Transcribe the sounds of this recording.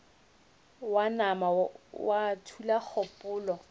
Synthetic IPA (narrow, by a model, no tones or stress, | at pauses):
wanamawatʰulak͡xʰɔpʼʊːlɔ